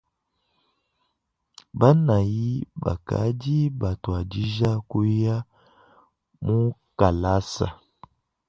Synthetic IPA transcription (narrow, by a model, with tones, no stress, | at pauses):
ba˦na˨ji˦ba̰˨ka̰˨˦di˦ba˨to˨a˨di˦ʒa˦ku˦ja˦ | mu˦ka˨la˦sa̰˨